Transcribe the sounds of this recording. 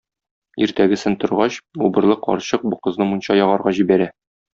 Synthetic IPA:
iɾt̪æɡɘ̆sɘnt̪ŏɾʁɑɕubɤ̆ɾlˠɤqʰɒ̰ɾɕɤq̚buqɤ̆znɤmunɕɑjɒʁɑɾʁɑʑibæɾæ

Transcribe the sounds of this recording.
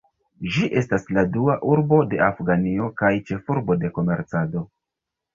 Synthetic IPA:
ʒiʔe̞stasladuaʔuɾbo̞de̞afɡanio̞kajt͡ʃe̞fuɾbo̞de̞ko̞me̞ɾt͡sado̞

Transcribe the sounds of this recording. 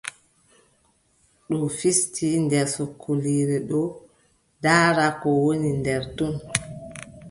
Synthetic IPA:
ɗɔfistindɛɾsokʰːoliːɾɛɗɔ | daːɾakɔwonindɛɾtun

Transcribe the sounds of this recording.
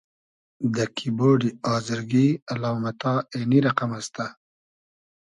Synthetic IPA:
d̪əkʰiboːɖiɑːzɪɾɡialɑːmat̪ɑːeniɾaqamast̪a

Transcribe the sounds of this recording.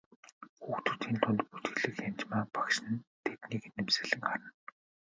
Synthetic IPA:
xuːxt̪ʰɵ̆rt̪ʰiːnt̪ʰʊnʲt̪put̪ɡɘ̆ɮɘ̆kxamt͡ɕmaːpakʃɘ̆nt̪ʰet̪niːknːemsɘ̆ɮɘ̆ŋɢaɾə̆n

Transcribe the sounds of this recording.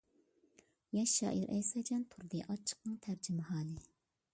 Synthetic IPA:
jɛʃːɑ̰ːʔiɾʔɛ̰jsɑd͡ʒʰɛnt̪ʰuɾd̪ɨʔɑt͡ʃʰːə̥q̚nɨŋt̪ʰæɾd͡ʒymɪhɑːlˠɨ

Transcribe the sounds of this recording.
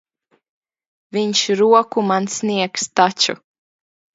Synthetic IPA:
vʲiɲʃɾuɔkumansniɛkst̪at͡ʃṵ

